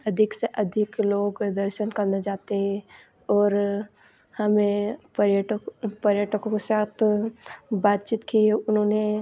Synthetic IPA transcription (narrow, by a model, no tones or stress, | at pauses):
ɐd̪ʱɪkseʔɐd̪ʱɪkloːɡd̪ɐɾʃənkɐɾned͡ʒaːt̪eɦɛ̃ | ɔːɾ | hɐmẽpɾjəʈpɐɾjəʈəkõkesaːt̪ʰ | baːt̪̚t͡ʃit̪kiɛʊnɦõːne